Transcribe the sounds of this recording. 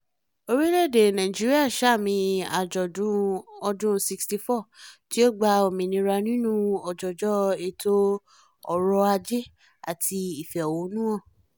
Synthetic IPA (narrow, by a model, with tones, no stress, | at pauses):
o˧ɾi˦le˦˨de˨nã˨ĩ˨d͡ʒi˦ɾi˦a˦˨ʃa˦˨mĩ˧a˨d͡ʒɔ˨dũ˦ɔ˧dũ˦si˧ksti˧fɔ˦˨ti˨˦o˦ɡ͡ba˧o˨mĩ˧nĩ˧ɾa˧nĩ˦nũ˦ɔ˨d͡ʒɔ˨d͡ʒɔ˦e˧to˦ | ɔ˨ɾɔ˧a˧d͡ʒe˦ | a̰˨tʰi˧i˨fɛ˨ɔ˨wo˨˦nũ˦ɔ̃˦˨